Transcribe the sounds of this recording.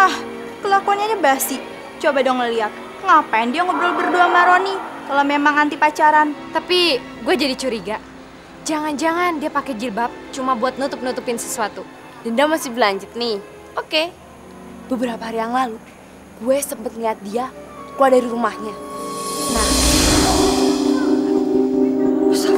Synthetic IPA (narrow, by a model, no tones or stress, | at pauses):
ah | kəlakoɲaɲəbasi | t͡ʃobadɔŋəliat̪̚ | ŋapaindiaŋɔbɾɔlbərduamaɾonikalomemaŋant̪ipat͡ʃaɾant̪api | ɡuad͡ʒadit͡ʃuɾiɡa | d͡ʒaŋand͡ʒaŋandiapakɛd͡ʒibap̚t͡ʃumabuat̪̚nut̪ʊp̚nut̪upɪnsə̥suat̪u | dandiamasɪhbəlaɲt͡ʃʊt̪̚nɪh | oke | bəbəɾapaɦaɾijaŋlalu | ɡ̥uɛsəmpət̪̚məliat̪̚diakuadaɾiɾumahɲa | na